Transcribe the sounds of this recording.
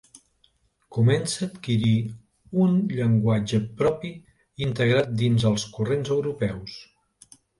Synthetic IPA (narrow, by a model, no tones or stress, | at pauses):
kumɛnsəːt̪kiɾi | unʎəŋɡwad͡ʒəpɾɔpi | int̪əɣɾat̪̚d̪inzəlˠskurenzəwɾupɛws